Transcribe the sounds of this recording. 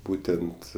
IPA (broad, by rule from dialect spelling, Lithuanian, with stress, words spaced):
ˈbuːtʲɛnt